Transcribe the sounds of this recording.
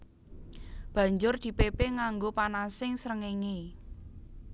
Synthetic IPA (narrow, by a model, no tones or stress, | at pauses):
b̥ä̤ɲd͡ʒʊrd̪̥i̤pepeŋaŋɡopanasɪŋsɾəŋeŋe